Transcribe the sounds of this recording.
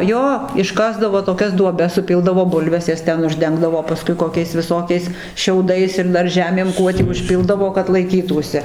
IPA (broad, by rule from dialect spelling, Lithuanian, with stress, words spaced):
ˈjoː ɪʃˈkɑːzdɐʋoː toːˈkʲɛs duɔˈbʲɛs sʊˈpʲɪlˠdɐʋoː ˈbʊlʲʋʲɛs ˈjɛs ˈtʲɛn ʊʒʲˈdʲɛŋɡdɐʋoː pɐˈskʊɪ koːˈkʲɛɪs ʋʲɪˈsoːkʲɛɪs ˈʃʲɛʊdɐɪs ɪr ˈdɐr ˈʒʲæːmʲeːm ˈkuɔ tʲiː ʊʃʲˈpʲɪlˠdɐʋoː kɐt lˠɐɪˈkʲiːtuːsʲɪ